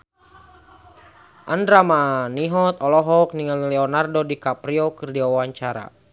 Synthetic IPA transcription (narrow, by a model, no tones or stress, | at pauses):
ʔandɾamaaniɦɔt̪̚ɔlɔɦɔk̚niŋallɛɔnardodikapɾiɔkɨrdiaaawaɲt͡ʃaɾa̰